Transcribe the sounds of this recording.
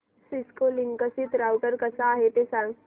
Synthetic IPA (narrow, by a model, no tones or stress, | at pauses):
sɪskoliŋkəsit̪ɾaːwkəɾkɐsaːɦet̪esaŋ